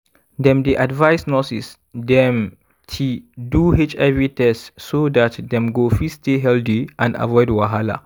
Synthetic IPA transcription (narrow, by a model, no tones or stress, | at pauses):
dɛ̃mdeʔadvaɪsnɔsḭs | dɛ̃m | tʰiduhet͡ʃɛvitɛstsodatdɛ̃mɡofisteɦɛldiʔãnda̰vɔɪdwaɦala̰